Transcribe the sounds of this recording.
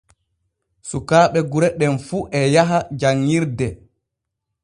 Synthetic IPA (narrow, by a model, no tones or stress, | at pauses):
sukaːɓɛɡuɾɛɗɛnfuːʔɛjaɦad͡ʒaŋːiɾdɛ